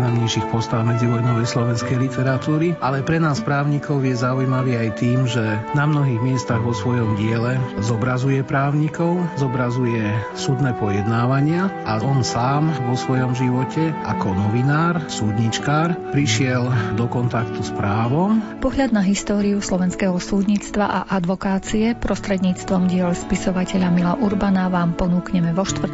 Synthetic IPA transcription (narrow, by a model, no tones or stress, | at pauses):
aɲɛʃixpɔst̪aʊmɛd͡ziʋɔnɔʋɛslɔʋɛnskɛjlit̪ɛɾat̪uːɾialɛpɾɛnaːspɾaːʊɲikɔʊjɛzaujmaʋiːajt̪iːmʒɛnamnɔɦiːɣmɪɛst̪aɣʋɔsʋɔjɔmɟɪɛlɛzɔbɾazujɛpɾaːʊɲikɔʊzɔbɾazujɛ | sud̪nɛːpɔjɛd̪naːʋaɲɪaʔaɔnsaːmʋɔsʋɔjɔmʒiʋɔcɛʔa̰kɔnɔʋinaːɾsuːd̪ɲit͡ʃkaːɾpɾiʃɪɛld̪ɔkɔnt̪akt̪uspɾaːʋɔmpɔɦʎad̪̚naɦist̪ɔːɾiuslɔʋɛnskɛɦɔsuːd̪ɲiːt͡st̪ʋa̰ʔa̰ʔad̪ʋɔkaːt͡siɛpɾɔst̪ɾɛd̪ɲiːt͡st̪ʋɔmɟɪɛʎspisɔʋacɛʎamilaʔuɾbanaʋaːmpɔnuːkɲɛmɛʋɔʃt̪ʋr̩